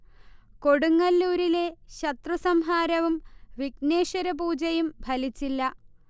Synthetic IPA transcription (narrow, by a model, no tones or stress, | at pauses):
ko̞ɽuŋːɐlːuːɾileɕɐt̪rusɐmɦaːɾɐʋumʋikne̞ːʂɐɾɐbuːd͡ʑɐjumbʱɐlit͡ɕːilːɐ